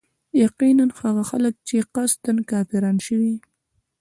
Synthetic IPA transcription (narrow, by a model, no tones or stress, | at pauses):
jaqinanxaɣaxalək̚t͡ʃeqast̪ankɑpiɾɑnʃəwi